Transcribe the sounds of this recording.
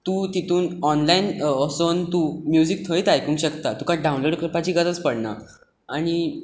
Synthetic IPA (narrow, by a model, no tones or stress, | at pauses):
t̪uːt̪it̪ʰuːnɔnlainɔsont̪uːmjud͡zik̚t̪ʰəjt̪ajkũːŋkɕəkt̪at̪ũkãɖãw̃nloɽkɾəpat͡ɕiːɡat̪ət͡spəɽna̰ | aɽ̃i